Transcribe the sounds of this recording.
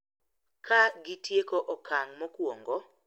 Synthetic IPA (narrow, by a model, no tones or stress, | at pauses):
kʰaɡɪtjekoʔɔkʰaŋmɔkwoŋɡɔ